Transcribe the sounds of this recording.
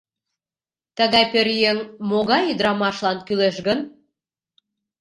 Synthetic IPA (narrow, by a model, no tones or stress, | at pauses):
t̪əɣɑjpøɾjeŋmoɣɑjyd̪ɾɑmɑʃlɑnkyleʃɣən